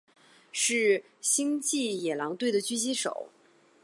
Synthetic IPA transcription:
ʂɻ̩˥˩ | ɕi˥ŋt͡ɕi˥˩jɛ˨˩lɑ˧˥ŋt̪we˥˩ɪd̪ə˩t͡ɕy˥˧ɕi˥ʂo̰˨˩˦ʊ

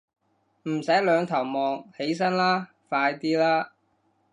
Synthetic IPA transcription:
m̩˨˩sɐ˨˥jlœː˨˧ŋt̪ʰɐ˨˩wmɔː˨˧ŋhe˨˥js̬ɐ˥nlaː˥ | faː˧jt̪iː˥laː˥

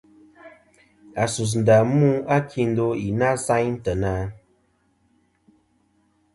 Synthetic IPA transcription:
a˨su˨s̬n̩˨da˨mu˦a˦kʰi˦n̩˦do˦i˨na˦sa˦ɲn̩˦tə˨naː˦

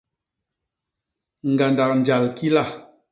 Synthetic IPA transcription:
ŋ̩˨ɡa˨nda˨k̚n˨d͡ʒa˨lki˦la˦˨

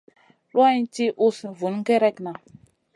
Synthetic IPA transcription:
lwa˦i˦nti˦ʔu˦si˨vu˨n˦ɡɛ˦ɾɛ˦kna˨

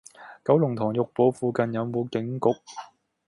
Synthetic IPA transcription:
kɐ˨˥wlʊ˨˩ŋt̪ʰɔː˨˩ŋjʊ˨k̚po˨˥wfuː˨kɐ˨njɐ˨˧wmo˨˧wkɪ˨˥ŋkʊ˨k̚

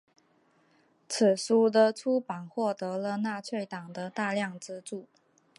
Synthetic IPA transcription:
t͡sʰɹ̩˨˩su˥d̪ə˧ʈ͡ʂʰu˥pa˨˩ŋxwɔ˥˩t̪ɤ˧˥lə˧na˥˧t͡sʰwe˥˩ɪt̪ɑ˨˩ŋd̪ə˦t̪a˥˧ljɑ˥˩ŋʈ͡ʂɻ̩˥ʈ͡ʂu˥˩

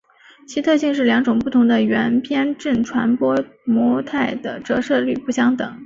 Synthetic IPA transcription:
t͡ɕʰi˧˥t̪ʰɤ˥˧ɕi˥˧ŋʂ̬ɻ̩˥˩ljɑ˧˥ŋʈ͡ʂʊ˨˩ŋpu˥˩t̪ʰʊ˧˥ŋd̪ə˧ɥɛ˧˥npʰjɛ˥nʈ͡ʂə˥˩nʈ͡ʂʰwa˧˥npwɔ˥mwɔ˧˥t̪ʰa˥˩ɪd̪ə˩ʈ͡ʂɤ˧˥ʂɤ˥˧ly˥˩pu˥˩ɕjɑ˥ŋt̪ɤ˨˩˦ŋ

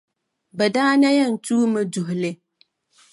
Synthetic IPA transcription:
bɛ˨daː˦na˦jɛ˦˨n̩˨tuː˦mɨ˦dʊ˨ɦʊ˨lɪ˦

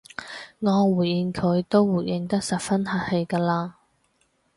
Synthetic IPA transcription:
ŋɔː˨˧wuː˨˩jji˨˧nkʰɵ˨˧ɥt̪o˥wwuː˨˩jʔɪ˨˧ŋt̪ɐ˥k̚sɐ˨p̚fɐ˥nɦɐ˨˥t̚he˨˧jkaː˧laː˧

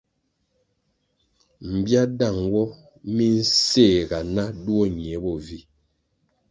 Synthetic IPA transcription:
m̩˨bja˦da˦˨ŋwɔ˦ | mi˦n̩˦seː˦˨ɡa˨na˦du˦ɔ˦˨ɲ˨ɛ˨˦bɔ˨vi˦

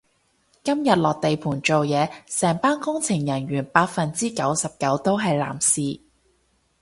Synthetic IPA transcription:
kɐ˥mjɐ˨t̚lɔː˨k̚t̪e˨jpʰuː˨˩nt͡ʃo˨wjɛː˨˧sɛː˨˩ŋpaː˥nkʊ˥ŋt͡sʰɪ˨˩ŋjɐ˨˩nɥyː˨˩npaː˧t̚fɐ˨nt͡siː˥kɐ˨˥wsɐ˨p̚kɐ˨˥wt̪o˥wɦɐ˨jla̰ː˨˩msiː˨

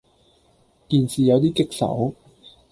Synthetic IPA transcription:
kiː˨˧nsiː˨jɐ˨˧wt̪̬iː˥kɪ˥k̚sɐ̰˨˥w

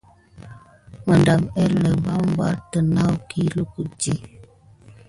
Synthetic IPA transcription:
mə˨nda˨mɛ˦lə˨ba˦m˦ba̰˦tə˨na˦wki˦lu˦ku˨d͡ʒi˦

